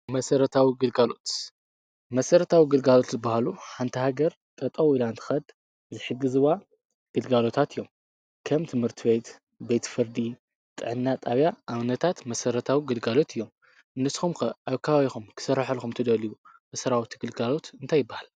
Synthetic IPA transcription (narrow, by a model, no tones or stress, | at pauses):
mɐsɐɾɐt̪ʰawiɡɨlɡalo̞t̪ | mɐsɐɾɐt̪ʰawiɡɨlɡalo̞t̪zɨbːahaluħant̪ʰɐhaɡɐɾ | t̪ʼɐt̪ʼɐwilant̪ʰɨ̥xɐd̪ | zɨħɨɡːɨzɨwa | ɡ̥ɨlɡalo̞t̪ʰat̪ʰɨjːom | kʰɐmt̪ʰɨmhɨɾt̪ʰɨβet̪ | bet̪fɨɾd̪i | t̪ʼɨ̰ʕɨnːat̪ʼaβjaʔaβnɐt̪ʰat̪mɐsɐɾɐt̪ʰawiɡɨlɡalo̞t̪ʰɨjːo̞m | nːɨsxumkɐʔaβkʰaβaβixumkʰɨ̥sɐɾːaħɐlxumt̪ʰɐd̪ɐliwu | mɐsɐɾawt̪ʰiɡɨlɡalo̞t̪ɨnt̪ʰajːɪbːahal